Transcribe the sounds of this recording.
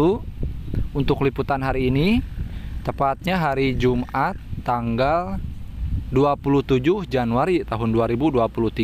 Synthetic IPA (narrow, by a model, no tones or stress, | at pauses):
u | unt̪ʊkliput̪anɦaɾiːni | t̪əpat̪̚ɲaɦaɾid͡ʒumʔat̪ːaŋɡal | duapuluht̪ud͡ʒʊhd͡ʒanuaɾit̪aɦʊnduaɾibuduapuluht̪i